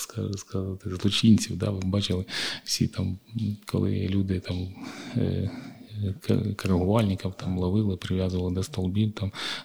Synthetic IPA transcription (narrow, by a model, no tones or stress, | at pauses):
skɐskazɑt̪ɪzlˠɔt͡ʃinʲt͡sʲiwd̪ɑ̰ʋɪbɑt͡ʃɪlˠɪw̥sʲḭt̪ɑmkʰɔ̰lˠɪ̰lʲud̪ɪt̪ɑm̰ | kɐɾɐɦʊʋɑlʲnʲɪkɐwt̪ɑmlˠɐʋɪlˠɪpɾɪʋʲjazʊʋɐlˠɪd̪ɐst̪ɔlˠbʲiwt̪ɑm